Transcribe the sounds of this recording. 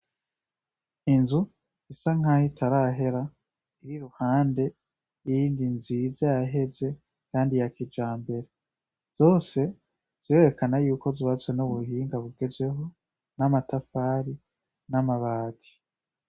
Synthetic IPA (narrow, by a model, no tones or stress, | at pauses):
inzu | isaŋ̥ahitʰaɾaɦe̞ɾa | iɾiɾuhaːnde̞ | ijiːndinzizajaɦe̞ze̞ | kaːndijakid͡ʒaːmbe̞ɾe | z̥o̞ːse̞ | z̥iɾe̞ɾekanajuːko̞ziβat͡swenuβuɦiːŋɡaβuɡ̥e̞zwe̞ɦo̞ | namatafaːɾi | namaβaːtʰi̥